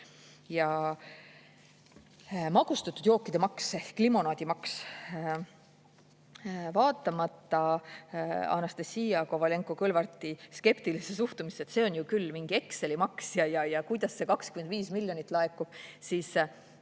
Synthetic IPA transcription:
jɑ | mɑɡ̥ust̪ɑt̪ːˑud̪̥jo̞ːkːˑid̪̥e̞mɑksekːlimo̞nɑːd̪̥ʲimɑks | vɑːt̪ːˑɑmɑt̪ːˑɑ | ɑ̰nɑst̪esːiːɑkovɑle̞ŋkokɤlvɑrt̪ˑiske̞pt̪ilises̬uht̪umiset̪se̞ːo̞njukylːmiŋɡ̥ie̞kse̞limɑksjɑjɑjɑkujd̪̥ɑsːe̞kɑkskyme̞nd̪viːsmilʲjo̞nit̪ːˑlɑekːˑub̥siːs

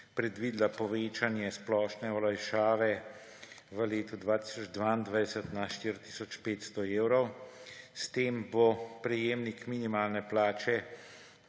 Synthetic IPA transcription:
pɾɛd̪ʋiːd̪lapɔʋeːt͡ʃanjɛsplɔːʃnɛɔlajʃaːʋɛ | ʋəleːt̪ud̪ʋaːt̪isɔd͡ʒd̪ʋaːind̪ʋajd̪ɛsət̪naʃt̪iɾt̪i̥sɔt͡ʃpeːt̪st̪ɔeːwɾɔwst̪eːmbopɾɛjeːmnikminimaːlnɛplaːt͡ʃɛ

